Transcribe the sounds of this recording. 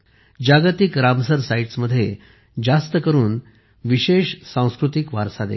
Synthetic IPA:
d͡ʑaɡt̪ikɾamsəɾsaiʈsməd̪ʱːje | d͡ʑast̪əkəɾuːn | ʋiɕeɕsãw̃skɾut̪ikʋaɾsad̪ḛ

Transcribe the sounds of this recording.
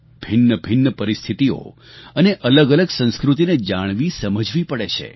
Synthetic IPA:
b̥ʱɪnːəbʱɪnːəpəɾist̪ʰit̪io̰ | əneʔələɡələɡsə̃nskɾut̪̬ined͡ʒaɽ̃ʋisəməd͡ʒʱʋipəɽet͡ʃʰḛ

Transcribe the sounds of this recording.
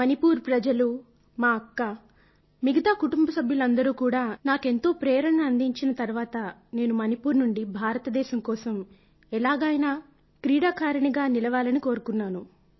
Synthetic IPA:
mɐnipuːɾpɾɐd͡ʒɐlu | maːɐkːɐ | miɡɐt̪aːkuʈumbɐsɐbʱjulɐnd̪ɐɾuːkuːɽaːnaːke̞nt̪o̞ːpɾɛːɾɐɳɐːnd̪iɲt͡ʃinɐt̪ɐɾuʋaːt̪ɐne̞ːnumɐnipuːɾnuɳɖibʱaːɾɐt̪ɐd̪ɛːʃɐmkɔːsɐm | ɛlaːɡaːjna | kɾiːɽaːkaːɾɐɳiɡaːnilɐʋaːlɐniko̞ːɾukunːaːnu

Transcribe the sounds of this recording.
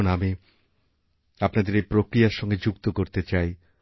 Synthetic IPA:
nami | apnad̪eɾepɾokɾijaɾʃɔŋɡed͡ʑukt̪okoɾt̪et͡ɕaj

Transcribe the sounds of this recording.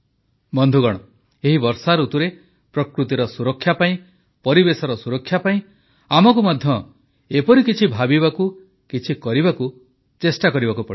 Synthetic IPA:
bɔnd̪ʱuɡɔɽ̃ɔ | eɦibɔɾsaɾut̪uɾe | pɾɔkɾut̪iɾɔsuɾɔkʰːjapaĩ | pɔɾibesɔɾɔsuɾɔkʰːjapaĩ | amɔkumad̪ʱjɔ | epɔɾikit͡ʃʰibʱabibaku | kit͡ʃʰikɔɾibaku | t͡ʃesʈakɔɾibakupɔ̰ɽi

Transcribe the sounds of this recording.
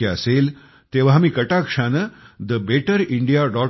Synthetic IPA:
eəseːl | t̪eʋ̤aɦəmiːkəʈakʂanəd̪əbeʈəɾiɳɖijaɖɔ

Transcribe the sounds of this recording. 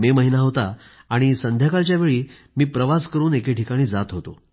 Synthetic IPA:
meməɦinaɦot̪aː | ɽ̃isənd̪ʱjakalt͡ɕjaʋeɭiː | miːpɾəʋaskəɾuːnekeʈʰikaɽ̃iːd͡zat̪ɦot̪o̰

